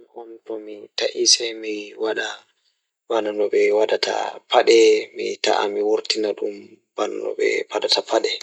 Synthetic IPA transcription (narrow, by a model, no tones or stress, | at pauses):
miʔɔmtɔmitaʔisɛjmiwaɗa | bananɔɓɛwadatʰa̰pʰaɗɛmḭta̰ʔamiwoɾtinaɗum | b̥ana̰nɔ̰ɓɛ̰padatapaɗɛ